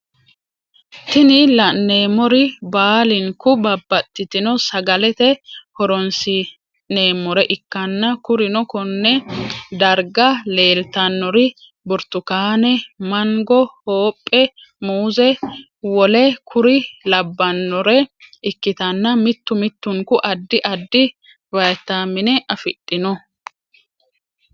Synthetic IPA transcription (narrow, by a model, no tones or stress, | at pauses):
t̪ɪnɪlɐnːe̞ːmɔɾɪbaːlɪŋkʊbɐbːɐt̪ːɪt̪ɪnɔsɐɡɐlɛt̪ɛhɔɾɔnsɪ | ne̞ːmːɔɾɛʔɪkːɐnːɐkʊɾɪnɔkɔnːɛd̪ɐɾɡɐle̞ːlt̪ɐnːɔɾɪ | bʊɾt̪ːʊkaːnɛmɐŋɡɔho̞ːpʼːɛ | muːzɛ | wɔlɛkʰʊɾɪlɐbːɐnːɔɾɛɪkːɪt̪ɐnːɐmɪt̪ːʊmɪt̪ːʊŋkʊʔɐd̪ːɪʔɐd̪ːɪ | bɐjt̪ːaːmːɪnɛʔɐfɪtʼːɪnɔ